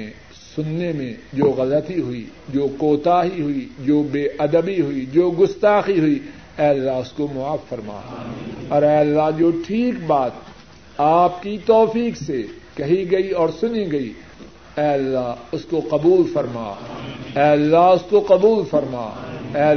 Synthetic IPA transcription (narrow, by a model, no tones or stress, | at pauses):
ẽ | sʊnːemẽd͡ʒoːɣɐlət̪iɦʊḭd͡ʒoːkoːt̪aːɦiɦʊid͡ʒoːbeːʔɐd̪əbiɦʊid͡ʒoːɡʊst̪aːxiɦʊi | ɛːɐlːaɦʊskomʊaːfːɐɾma̰ːɔːɾɛːɐlːaɦd͡ʒoːʈʰiːkbaːt̪̚ | aːp̚kit̪ɔːfiːkse | kɐɦiɡɐiɔːɾsʊniɡɐi | ɛːɐlːaʊskoqɐbuːlfɐɾma̰ːɛːɐlːaɦʊskoqɐbuːlfɐɾma̰ːɛː